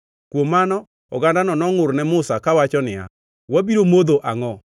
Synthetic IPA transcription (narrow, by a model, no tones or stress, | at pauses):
kwomːanɔ | ɔɡandanɔnɔŋʊɾnɛmʊsakawat͡ʃɔnɪa̰ | wabiɾomod̪oʔaŋɔ